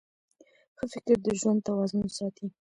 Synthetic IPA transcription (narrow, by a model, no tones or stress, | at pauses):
xəfɪkɾd̪əʒwand̪̚t̪awɑzʊnsɑt̪i